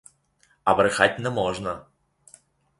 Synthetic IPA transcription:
ɐbɾɨxatʲnɐmɔʐnə

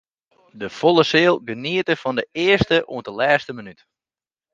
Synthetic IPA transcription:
dəfolˠəsɪːəlˠɡəniətəfɔndəɪərstəʔṵəntəlɛːstəmənyt

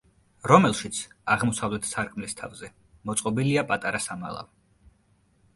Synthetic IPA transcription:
ɾɔmɛlˠʃit̪sʰaʁmɔsavlɛt̪ʰsaɾkʼmlist̪ʰavzɛ | mɔt̪sʼqʼɔbiliapʼat̪ʼaɾasama̰lˠa̰v

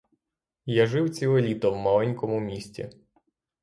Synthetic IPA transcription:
jaʒɪwt͡sʲilˠɔlʲit̪ɔwmɐlˠɛnʲkɔmʊmʲisʲtʲḭ

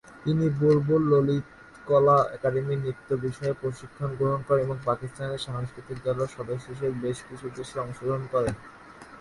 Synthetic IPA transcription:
t̪iniboɾbolːolit̪ | kɔlaɛkaɖeminit̪ːobiʃɔepɾoʃikʰːonɡɾoɦonkɔɾeneboŋpakist̪aneɾʃaŋskɾit̪ikd͡ʑ̪ɔloɾʃɔd̪oʃ̬eʃ̬eɾbeʃkit͡ɕʰud̪eʃeɔŋʃod̪ʱoonkɔɾen

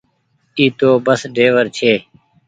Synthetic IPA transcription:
iːt̪oːbəsɖʱeːʋəɾt͡ʃʰeː

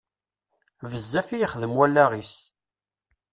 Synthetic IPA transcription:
vəzːæfijiχðəmwælːæʁis

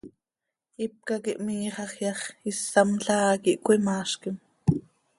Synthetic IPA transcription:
ip̚kɑkiʔmiːχɑχjɑχisːɑmɬɑːkiʔkʷimɑːʃkim

